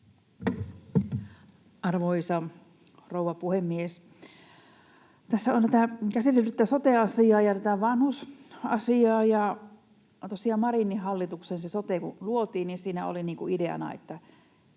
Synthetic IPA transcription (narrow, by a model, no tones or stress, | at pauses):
ɑrʋoisɑ | rouʋɑpuhemːies | t̪æsːæont̪æt̪ækæsit̪elæt̪ːæsot̪eɑsiɑːjɑt̪æt̪æʋɑnhusɑ̰siɑːjɑ | t̪osiɑmɑrinːihɑlːit̪uksensesot̪ekuluot̪iːnninsiːnæo̰liniːŋkuideɑ̰nɑ̰ḛt̪ːæ